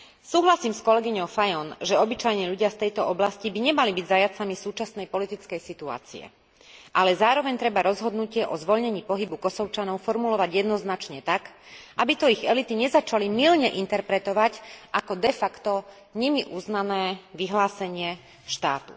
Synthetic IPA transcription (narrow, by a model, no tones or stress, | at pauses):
suːɦlasiːmskɔlɛɡiɲɔʊfajɔnʒɛɔbit͡ʃajɲɛʎuɟɪaft̪ɛjt̪ɔɔblascibiɲɛmalibiɟzajat͡samisuːt͡ʃasnɛjpɔlit̪it͡skɛjsit̪ua̰ːt͡sḭɛ̰ | ʔalɛzaːɾɔʋɛɲt̪ɾɛbaɾɔzɦɔd̪nucɪɛʔɔzʋɔʎɲɛɲiːpɔɦibukɔsɔʊt͡ʃanɔʊfɔɾmulɔʋaɟjɛd̪nɔznat͡ʃɲɛt̪akʔabit̪ɔiɣɛlit̪iɲɛzat͡ʃalimilɲɛʔint̪ɛɾpɾɛt̪ɔʋacʔakɔd̪ɛfakt̪ɔ | ɲimiʔuznanɛːʋiɦlaːsɛɲɪɛ | ʃt̪aːt̪ṵ